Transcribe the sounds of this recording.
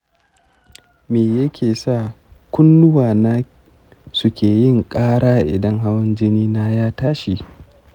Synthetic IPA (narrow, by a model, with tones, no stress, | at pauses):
meː˨jɐ˦kʲeː˨sa˦˨ | kʷʊ˦nːʊ˦waː˨naː˦ | sʊ˦kʲeː˨jɪ˦ŋkʼaː˦ɽaː˦ʔɪ̰˨dɐ˦ŋɦa˦wɐ˦nd͡ʒɪ˦niː˦na˦jaː˦taː˦ʃi˨